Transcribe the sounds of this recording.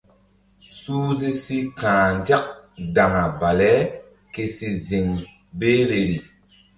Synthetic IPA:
suː˦zi˦si˦kãː˨nd͡ʒa˦k̚da˨ŋa˨ba˨lɛ˦ | ke˧si˧zi˨ŋ | beː˦ɾe˨ɾi˨

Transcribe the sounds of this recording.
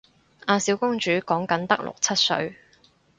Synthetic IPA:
ʔaː˧siː˨˥wkʊ˥ŋt͡ʃyː˨˥kɔː˨˥ŋkɐ˨˥nt̪ɐ˥k̚lʊ̰˨k̚t͡sʰɐ˥t̚sɵ̰˨˧ɥ

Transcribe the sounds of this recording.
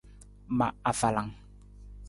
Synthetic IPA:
ma˨a˨fa˨la˨ŋ

